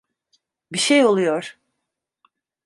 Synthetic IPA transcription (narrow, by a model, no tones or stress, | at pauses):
biʃejo̞lˠujoɾ̥